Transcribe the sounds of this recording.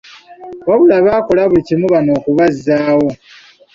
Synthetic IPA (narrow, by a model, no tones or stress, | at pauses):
oβulaβaːkolaβucimuβano̞ːkuβazːaːwo̞